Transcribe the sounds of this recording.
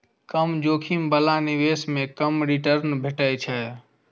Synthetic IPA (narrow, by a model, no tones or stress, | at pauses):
kəmd͡ʒoːkʰimbəlaniʋesmẽkəmɾiʈəɾnbʱeʈəjt͡ʃʰɛ